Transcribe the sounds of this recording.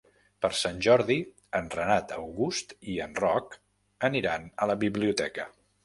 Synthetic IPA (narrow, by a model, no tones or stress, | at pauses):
pəɾsanʲʒɔɾði | ənrənat̪əwɣust̪iənrɔk | əniɾanələβiβliut̪ɛkə